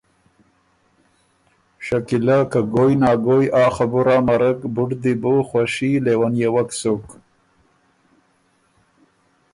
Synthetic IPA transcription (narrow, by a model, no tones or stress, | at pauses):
ʂakilakaɡojnɑːɡojɑːxabuɾaːmaɾakbʊʈd̪iboxwaʃilewanjewaksok